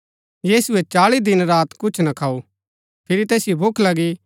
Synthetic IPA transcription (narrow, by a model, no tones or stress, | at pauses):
jiːsuet͡ʃaːɭid̪ɪnɾaːt̪kʊt͡ʃʰnɐkʰaːu | pʰɪɾit̪ɛːsɪjobʱʊkʰlɐɡi